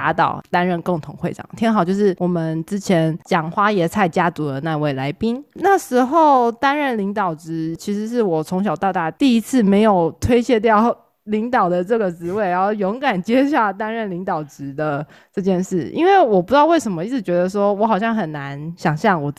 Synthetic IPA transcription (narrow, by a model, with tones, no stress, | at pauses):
a˧˥t̪ɑ̰˨˩ʊt̪a˥nɻə˥˧nko˥˩ŋt̪ʰʊ˧˥ŋxwe˥˩ɪʈ͡ʂɑ̰˨˩ŋt̪ʰi˧˥ŋxɑ˨˩ʊt͡ɕjo˥˧ʊʂɻ̩˥˩wɔ˨˩mə˦nʈ͡ʂɻ̩˥t͡ɕʰjɛ˧˥nt͡ɕjɑ˨˩ŋxwa˥jɛ˨˩t͡sʰa˥˩ɪt͡ɕja˥t͡su˧˥d̪ə˨na˥˧we˥˩ɪla˧˥ɪpi˥nna˥˩ʂɻ̩˧˥xo˥˩ʊt̪a˥nɻə˥˩nli˧˥ŋt̪ɑ˨˩ʊʈ͡ʂɻ̩˧˥t͡ɕʰi˧˥ʂɻ̩˧˥ʂ̬ɻ̩˥˩wɔ˨˩t͡sʰʊ˧˥ŋɕ̬jɑ˨˩ʊt̪ɑ˥˧ʊt̪a˥˩t̪i˥˩i˧˥t͡sʰɹ̩˥˩me˧˥ɪjo˨˩ʊt̪ʰwe˥ɪɕjɛ˥˧t̪̬jɑ˥˨˩ʊ | li˧˥ŋt̪ɑ˨˩ʊd̪ə˩ʈ͡ʂɤ˥˩ɡə˩ʈ͡ʂɻ̩˧˥we˥˩ɪa˧˥˦o˥˩ʊjʊ˧˥ŋka˨˩nt͡ɕjɛ˥ɕ̬ja˥˩t̪a˥nɻə˥˩nli˧˥ŋt̪ɑ˨˩ʊʈ͡ʂɻ̩˧˥d̪ə˧ | ʈ͡ʂɤ˥˧t͡ɕjɛ˥˧nʂɻ̩˥˩ḭ˥nwe˥˩ɪwɔ˨˩pu˧˩jʊwe˥˩ɪʂə˧˥nmə˧i˥˩t͡sɻ̩˥˩t͡ɕɥɛ˧˥d̪ə˧ʂ̬wɔ˥wɔ˧˥xɑ˨˩ʊɕjɑ˥˩ŋxə˨˩nna˧˦nɕjɑ˨˩ŋɕjɑ˥˩ŋwɔ˨˩